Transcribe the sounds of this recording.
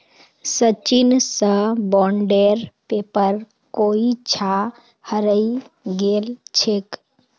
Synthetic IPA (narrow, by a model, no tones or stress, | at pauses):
sət͡ʃinsə̃bɔɳɖeɾpepəɾ | koit͡ʃʰa | həɾəj | ɡelt͡ʃʰek